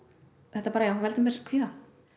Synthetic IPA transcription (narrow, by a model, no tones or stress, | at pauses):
θɛht̪aɾpaɾajawavɛlt̪ʏmɛɾkʰviːθa